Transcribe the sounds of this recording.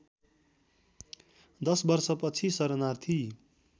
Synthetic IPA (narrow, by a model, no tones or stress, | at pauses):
d̪ʌsbʌrsʌpʌt͡sʰisʌɾʌnart̪ʰi